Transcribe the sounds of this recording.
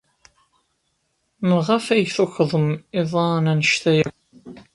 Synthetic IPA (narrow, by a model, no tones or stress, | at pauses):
məʁafæjθuçðˤəmɪðˤɑnænəʃt̪æjæk